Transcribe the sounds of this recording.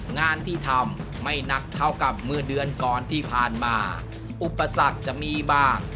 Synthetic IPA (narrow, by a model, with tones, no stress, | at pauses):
ŋaː˧nt̪ʰiː˥˩t̪ʰa˧mː | a˥˩jna˨˥k̚t̪ʰːa˥˩wka˨˩p̚mɯ˥˩dɯ˧ənkɔː˨˩nt̪ʰiː˥˩pʰaː˨˩nmaː˧ | ʔu˨˩pːa˧sa˨˩k̚t͡ɕa˨˩ʔmiː˧baː˥˩ŋ